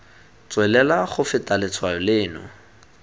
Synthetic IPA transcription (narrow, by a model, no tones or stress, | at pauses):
t͡swɛlɛlaχʊfɪtʼalɪt͡sʰwajɔlɪːnɔ̰